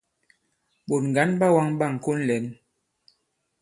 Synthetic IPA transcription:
ɓo˨tŋ̩˨ɡa˨˦nɓa˦wa˦ŋɓa˦˨ŋ˨ko˦n̩˦lɛ˨˦n

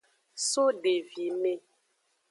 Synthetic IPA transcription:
so˦ɖe˨vi˨me˦

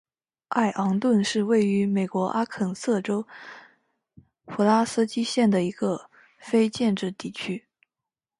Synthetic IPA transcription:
a˥˩ɪʔɑ˧˥ŋt̪wə˥˧nʂɻ̩˥˧we˥˩ɪy˧˥me˨˩ɪkwɔ˧˥ʔa˥kʰə˨˩ŋsɤ˥˩ʈ͡ʂo˥ʊ | pʰu˧˥la˥s̩˥t͡ɕi˥ɕjɛ˥˩nd̪ə˩i˧˥ɡə˧ | fe˥ɪt͡ɕjɛ˥˧nʈ͡ʂɻ̩˥˧t̪i˥˩t͡ɕʰy˥

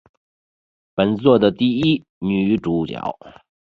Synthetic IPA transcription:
pə˨˩nt͡swɔ˥˩d̪ə˩t̪i˥˩i˥ | ny˨˩˥ʈ͡ʂu˧˥t͡ɕjɑ̰˨˩˦ʊ

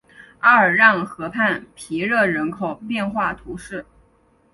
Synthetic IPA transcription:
ə˧˥ə˞˨˩ɻɑ˥˩ŋxɤ˧˥pʰa˥˩npʰi˧˥ɻɤ˥˩ɻə˧˥nkʰo˨˩ʊpjɛ˥˧nxwa˥˩t̪ʰu˧˥ʂɻ̩˥˩

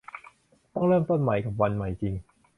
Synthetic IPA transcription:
t̪ɔ˥˩ŋɾɤː˥˩mt̪o˥˩nma˨˩˦jka˨˩p̚wa˧nma˨˩˦jt͡ɕi˧ŋ

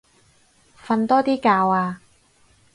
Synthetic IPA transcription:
fɐ˧nt̪ɔː˥t̪iː˥kaː˧waː˧

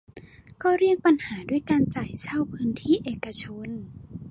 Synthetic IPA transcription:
kɔː˥˩ɾi˥˩ək̚pa˧nhaː˩˦duː˥˩əjkaː˧nt͡ɕaː˨˩jsa˥˩wpʰɯː˦˥nt̪ʰiː˥˩ʔeː˨˩ka˧t͡ɕʰo˧n

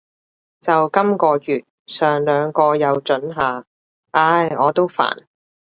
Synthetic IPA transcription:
t͡sɐ˨wkɐ˥mkɔː˧jyː˨t̚ | sœː˨ŋlœː˨˧ŋkɔː˧jɐ˨˧wt͡ʃɵ˨˥nɦaː˨ | ʔaː˧jɔː˨˧t̪o˥wfa̰ː˨˩n

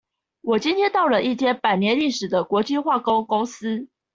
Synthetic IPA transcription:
wɔ˨˩t͡ɕi˦˥nt̪ʰjɛ˥nt̪ɑ˥˩ʊlə˩ʔi˥˩t͡ɕʰjɛ˥npa˨˩ɪnjɛ˧˦nli˥˩ʂɻ̩˨˩d̪ə˦kwɔ˨˧˥t͡ɕi˥˧xwa˥˨ko˥ŋko˥ŋs̩˥

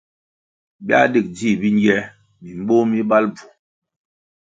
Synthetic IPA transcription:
bi˦a̰˦di˦˨k̚di˦˨bi˦n˦ɡɛ˦ | mi˨m˦ɓo˦mi˦ba˦lb͡vu˨

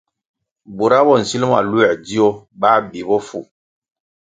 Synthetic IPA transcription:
bo˨ɾa˦bɔ˦˨n̩˨si˦lm˦a̰˨lu˦ɛ˨di˦o˦baː˦bi˨˦bɔ˦fu˦˨

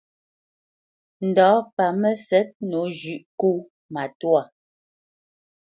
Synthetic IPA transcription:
n̩˨dɔː˨˦pa˨mɛ˦sɛ˨˦t̚nu˨˦ʒʉ˨ʔku˦ | ma˨twa˨

